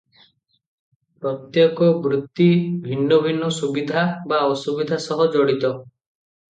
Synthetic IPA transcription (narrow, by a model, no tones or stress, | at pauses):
pɾɔt̪jɔkɔbɾut̪ːibʱinːɔbʱinːɔsubid̪ʱabaɔsubid̪ʱasɔɦɔd͡ʒɔɽit̪ɔ